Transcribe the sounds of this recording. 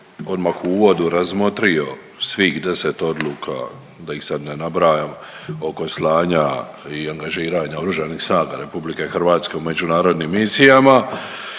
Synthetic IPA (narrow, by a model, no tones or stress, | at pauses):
o̞d̪makuuːʋo̞d̪uɾazmo̞t̪ɾijo̞ | sʋixd̪e̞set̪o̞d̪luːkʰa̰ | d̪ajixsad̪nenabɾaːjam | o̞ko̞slˠaːɲa | iaŋɡaʒiːɾaːɲaoɾuʒanixsnaːɡa̰ɾe̞publikexr̩ʋaːt̪ske̞ume̞d͡ʒunaːɾo̞d̪nimːisijama